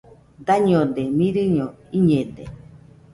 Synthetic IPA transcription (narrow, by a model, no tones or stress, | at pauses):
d̪aɲod̪emiɾɨɲoiɲẽd̪ḛ